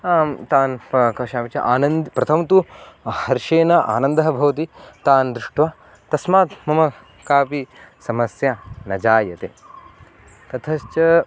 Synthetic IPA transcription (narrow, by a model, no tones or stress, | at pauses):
aːmt̪aːnkɐʃaːmit͡ʃɐ̰ʔaːnɐnd̪ipɾɐt̪ʰɐmt̪uhɐɾʃeːnɐʔa̰ːnɐnd̪ɐɦɐbʱɐʋɐt̪it̪aːnd̪ɾɪʂʈʋaː | t̪ɐsmaːt̪mɐmɐ | kaːpisɐmɐsjanɐd͡ʒaːjɐt̪ḛː | t̪ɐt̪ʰɐʃt͡ʃɐ